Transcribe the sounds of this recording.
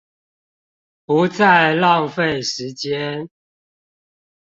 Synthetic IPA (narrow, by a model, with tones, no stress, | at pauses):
pu˨˦t͡sa˥˨ɪlɑ˥˨ŋfe˥˨ɪʂɻ̩˨˦t͡ɕjɛ˦n